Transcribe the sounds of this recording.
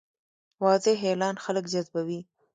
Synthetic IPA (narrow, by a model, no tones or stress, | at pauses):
wɑzeɦelɑnxaləkd͡ʒazbawi